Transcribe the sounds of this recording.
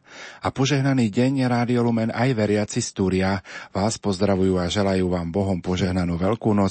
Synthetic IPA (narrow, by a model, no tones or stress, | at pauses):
apɔʒɛɦnaniːɟɛɲɛɾaːd̪iɔlumɛnajʋɛɾɪat͡sist̪uːɾɪaʋaːspɔzd̪ɾaʋujuːaʒɛlajuːʋaːmbɔɦɔmpɔʒɛɦnanuːʋɛʎkuːnɔ